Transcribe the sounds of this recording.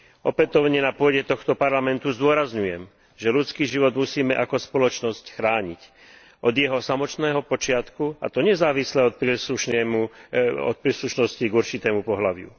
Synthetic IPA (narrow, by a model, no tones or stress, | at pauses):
ʔɔpɛt̪ɔʊɲɛnapʊɔɟɛt̪ɔxt̪ɔpaɾlamɛnt̪uzd̪ʊɔɾazɲujɛm | ʒɛlut͡skiːʒiʋɔd̪musiːmɛʔakɔspɔlɔt͡ʃnɔscxɾaːɲic | ʔɔd̪jɛɦɔsamɔt̪nɛːɦɔpɔt͡ʃɪat̪kua̰t̪ɔɲɛzaːʋislɛɔt̪pɾisluʃnɛmuɔ̰t̪̚pɾiːsluʃnɔsciɡuɾt͡ʃit̪ɛːmupɔɦlaʋɪṵ